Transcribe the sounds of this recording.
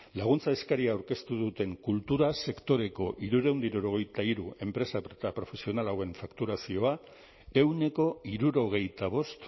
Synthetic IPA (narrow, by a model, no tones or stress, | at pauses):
laɣ̞unt͡saeskaɾiaːwɾke̞st̪uðut̪e̞ŋkult̪uɾase̞kt̪o̞ɾe̞ko̞ʔiɾuɾe̞wnd̪iɾuɾo̞ɣ̞e̞jt̪aiɾue̞mpɾe̞sap̪apɾo̞fe̞sio̞nalawe̞ɱfakt̪uɾasio̞a | e̞wne̞ko̞iɾuɾo̞ɣ̞e̞jt̪aβ̞o̞st̪